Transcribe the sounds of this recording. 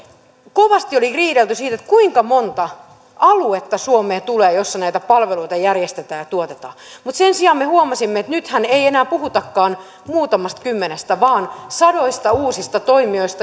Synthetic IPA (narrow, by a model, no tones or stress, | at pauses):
koʋɑst̪ioliriːɾelt̪ysiːt̪et̪kuiŋkɑmont̪ɑ | ʔɑluet̪ːɑsuomeːt̪uleːjosːɑnæit̪æpɑlʋeloit̪ɑjærjest̪et̪æːjɑt̪uot̪et̪ɑ̰ːmut̪sensiɑmmehuomɑsimːeet̪nyt̪hæneienæːpuhut̪ɑkːɑːn | muːt̪ɑmɑst̪kymːenest̪æʋɑːnsɑdoist̪ɑuːsist̪ɑt̪oimioist̪ɑ